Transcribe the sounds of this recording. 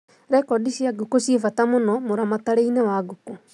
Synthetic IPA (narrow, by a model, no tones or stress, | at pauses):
ɾɛkɔdiʃiaɡokoɕefatamonɔmoɾamataɾeinewaɡuko